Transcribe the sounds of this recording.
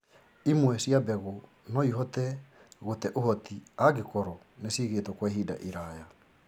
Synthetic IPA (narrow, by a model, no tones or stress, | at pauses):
imwɛsjabɛɣɔ | nɔiɦɔtɛ | ɣotɛʔohɔtiaɡekɔɾɔ | nesiɣetwɔkwɛɦida̰ʔiɾaja